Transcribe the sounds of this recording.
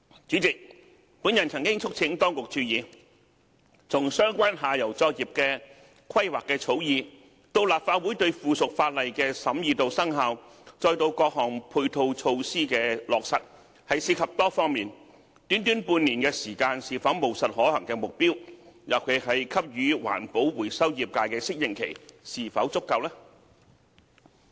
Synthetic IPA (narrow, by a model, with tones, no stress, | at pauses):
t͡ʃyː˨˥t͡sɪ˨k̚ | puː˨˥njɐ˨˩nt͡sʰɐ˨˩ŋkɪ˥ŋt͡sʰʊ˥k̚t͡sʰɪ˨˥ŋt̪ɔː˥ŋkʊ˨k̚t͡ʃʰyː˧jiː˨˧ | t͡sʊ˨ŋsœː˥ŋkʷaː˥nɦaː˨jɐ˨˩wt͡sɔː˧k̚jiː˨p̚kɛː˧ | kʰɐ˥jwaː˨kːɛː˧t͡sʰo˨˥wjiː˨˧ | t̪o˧wlaː˨p̚faː˧t̚wuː˨˥jt̪ɵ˧ɥfuː˨˩sʊ˨k̚faː˧t̚lɐ˨jkɛː˧sɐ˨˥mjiː˨˧t̪o˧wsɐ˥ŋɦaː˨˧w | t͡sɔː˧jt̪o˧wkɔː˧k̚ɦɔː˨˩ŋpʰuː˧jt̪ʰo˧wt͡ʃʰo˧wsiː˥kɛː˧lɔː˨˩k̚sɐ˨t̚ | hɐ˨jsiː˧kʰɐ˨p̚t̪ɔː˥fɔː˥ŋmiː˨n | t̪y˨˥nt̪yː˨˥npuː˧nniː˨˩nkɛː˧siː˨˩kaː˧nsiː˨fɐ˨˥wmo˨˩wsɐ˨t̚hɔː˨˥hɐ˨˩ŋkɛː˧mʊ˨k̚piː˥wjɐ˨˩wkʰɵ˨˧hɐ˨jkʰɐ˥p̚jyː˨˧wa̰ː˨˩npo˨˥wwuː˨˩jsɐ˥wjiː˨p̚kaː˧jkɛː˧sɪ˥k̚jɪ˨ŋkʰḛ˨˩jsiː˨˩fɐ˨˥wt͡sʊ˥kːɐ˧wlɛː˥